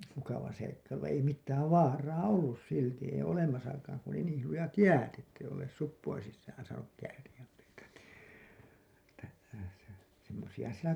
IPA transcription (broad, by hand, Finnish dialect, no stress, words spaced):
mukɑʋɑ seikːɑilu ʋɑ̃ː ei mitːæːʋ ʋɑːrɑː olːus silti ei olemɑsɑkɑːŋ ku oli niːl lujɑt jæːt etːei olːeːs supːoin sisːæːn sɑːnuk kæːrij̆æm meitæ niˑ etːæ semːosiɑ sitæ